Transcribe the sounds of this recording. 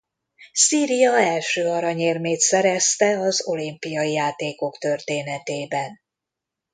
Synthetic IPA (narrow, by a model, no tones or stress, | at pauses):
siːɾijɒɛlʃøːɒɾɒɲeːrmeːt̪sɛɾɛst̪ɛɒzo̞limpijɒijaːt̪eːko̞kt̪ø̞rt̪eːnɛt̪eːbɛn